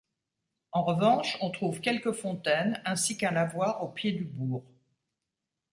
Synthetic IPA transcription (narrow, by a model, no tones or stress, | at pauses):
ɑ̃ʁəvɑ̃ʃɔ̃t̪χuvkʲɛlkəfɔ̃t̪ɛnɛ̃sikɛ̃navwaʁopjed̪ybuːʁ